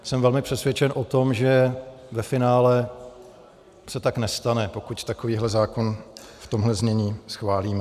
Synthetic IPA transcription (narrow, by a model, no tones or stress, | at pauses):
sɛmvɛlmɪpr̥ɛsvjɛt͡ʃɛnʔo̞t̪o̞mʒɛvɛfɪnaːlɛ | sɛt̪aknɛst̪anɛpo̞kuct̪akoviːɦlɛzaːko̞n | ft̪o̞mɦlɛzɲɛɲiːsxvaːliːmɛ